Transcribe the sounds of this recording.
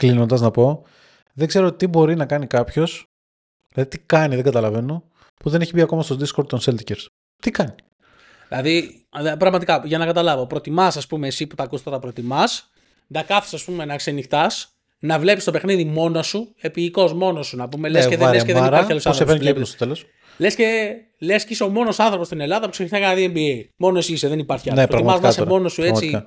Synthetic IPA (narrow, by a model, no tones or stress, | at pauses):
klino̞nd̪ɐznɐpo̞ | ðeŋɡzeɾoot̪it̪ibo̞ɾinɐkɐnikɐpço̞s | ðilɐðit̪ikɐniðeŋɡɐt̪ɐlɐve̞no̞ | puðe̞ne̞çibiɐko̞mɐst̪od̪iskoɾd̪̚t̪onselt̪iceɾs | t̪ikɐni̥ | ðilɐði | pɾɐɣmɐt̪̬ikɐʝɐnɐkɐt̪ɐlɐvo̞pɾo̞t̪imɐsɐspume̞ːsipu̥t̪ɐkust̪ɐt̪ɐpɾo̞t̪imɐs | dɐkɐfθi̥sɐspumenɐsenixt̪ɐs | nɐvle̞pist̪o̞pe̞xniðimo̞nosue̞piiko̞zmo̞nosunɐpume̞leskeðelskeðeniɾɐɾçɐlosɐnθɾoefepst̪ot̪elos | lesce | le̞sciso̞mo̞no̞sɐnθɾo̞po̞st̪ine̞lɐðɐpu̥kseiɐkɐnɐðiembiemo̞noesiseðenipɐɾçiɐloepoɾɐiimɐznɐsemo̞nosue̞t͡siɐ